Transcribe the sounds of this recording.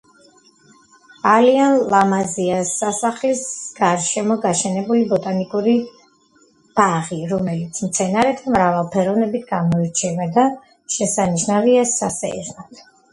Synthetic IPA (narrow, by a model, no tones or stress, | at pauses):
alianlˠamaziasːasaχlisɡ̥aɾʃɛmɔɡaʃɛnɛbulibɔt̪ʼanikʼuɾi | b̥aʁiɾɔmɛlit̪sʰmt̪sʰɛnaɾɛt̪ʰamɾavalˠpʰɛɾɔvnɛbit̪̚ʰɡ̥amɔiɾt͡ʃʰɛvad̪a | ʃɛsaniʃnaviɛsːasɛ̰ɛznat̪ʰ